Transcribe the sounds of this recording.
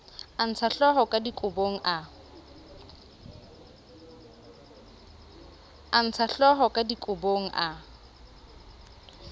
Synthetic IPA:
an̩t͡sʰaɬɔɦɔkʼadikʼʊboŋ̩ʔa | an̩t͡sʰaɬɔɦɔkʼadikʼʊboŋ̩ʔa

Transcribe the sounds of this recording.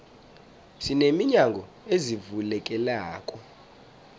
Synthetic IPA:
sinemiɲaŋɡʱɔ | ezivulɛkʼɛlaːkʼɔ

